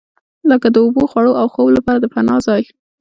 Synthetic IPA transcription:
ləkad̪əʊboxwaɽoawxowlapɑɾad̪əfanɑzɑj

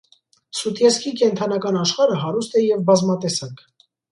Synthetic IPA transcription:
sut̪ʰjɛskʰikɛnt̪ʰɑnɑkɑnɑʃχɑɾəɦɑɾust̪ɛjɛvbɑzmɑt̪ɛsɑŋkʰ

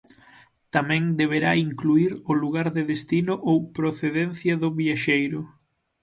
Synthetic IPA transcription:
t̪amɛ̃ŋd̪eβ̞eɾaiŋkluiɾʊluɣaɾðeðest̪inʊʔowpɾoθeðɛnθjɐðʊβiaʃejɾʊ

